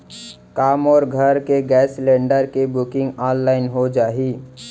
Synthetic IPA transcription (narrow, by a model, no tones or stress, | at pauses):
kaːmɔːɾɡʱəɾkeɡɛːslẽːɳɖəɾkebʊkɪ̃ŋɡaːnlaːɪnɦod͡ʒaːɦi